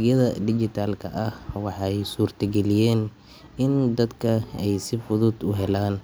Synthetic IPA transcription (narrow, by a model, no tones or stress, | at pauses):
ɣjɐðɐɖɪt͡ʃɪt̪ʰaːlkʰɐʔɐhwɑħɑjsuːrt̪ʰɐɡɛlɪjɛːn | ɪnd̪ɐd̪kʰɐɛjsɪfʊðʊd̪ʊɦɛlaːn